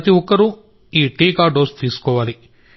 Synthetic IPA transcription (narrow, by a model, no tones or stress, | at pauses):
ɐt̪iwɔkːɐɾu | iːʈiːkaːɖoːɾst̪iːsu̥kɔːʋaːli